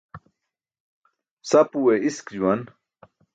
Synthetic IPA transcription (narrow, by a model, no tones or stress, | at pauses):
sɐpuweiskd͡ʑuwɐn